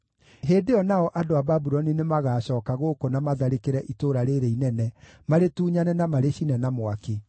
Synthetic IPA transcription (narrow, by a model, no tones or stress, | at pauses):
ɦeːdeɔnaɔʔadoababuɾɔninemaɣaːɕɔːkaɣokonamaðaɾekeɾɛʔitoɾaɾeɾeinɛnɛ | maɾetuːɲanɛnamaɾeɕinɛnamwake